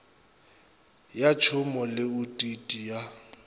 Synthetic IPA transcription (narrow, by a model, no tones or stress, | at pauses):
jat͡ʃʰʊmɔlɪutʼitʼija